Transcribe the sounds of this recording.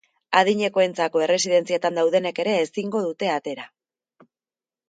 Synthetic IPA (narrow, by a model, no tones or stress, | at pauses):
aðiɲe̞ko̞e̞nt͡sako̞e̞re̞siðe̞nt͡siet̪and̪awð̞e̞ne̞ke̞ɾe̞ːsiŋɡo̞ð̞ut̪e̞at̪e̞ɾa